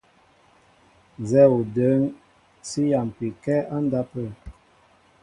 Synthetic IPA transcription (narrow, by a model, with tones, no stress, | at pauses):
n˨zɛ˦u˨də˨˦ŋ | si˦ja˨m˨pi˨kɛ˦ʔa˦n˦da˦pə˦˨